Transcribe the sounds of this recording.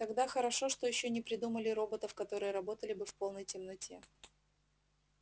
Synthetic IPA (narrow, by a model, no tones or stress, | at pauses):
t̪ɐɡd̪axəɾɐʂo̞ʂt̪ojɪɕːonʲɪpɾʲɪd̪uməlʲɪɾo̞bət̪əfkɐt̪o̞ɾɨjəɾɐbo̞t̪əlʲɪbɨfpo̞lˠnəjtʲɪmnɐtʲʰe̞